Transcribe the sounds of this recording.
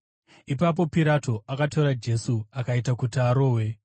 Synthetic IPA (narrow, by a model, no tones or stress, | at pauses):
ipap̬o̞piɾato̞ʔakatoɾad͡ʒe̞suakaitakutiaɾo̞ːwe̞